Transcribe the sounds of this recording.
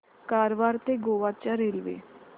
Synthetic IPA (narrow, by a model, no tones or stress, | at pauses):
kaːɾʋaːɾt̪eɡoːʋaːt͡ʃaɾeːlʋḛː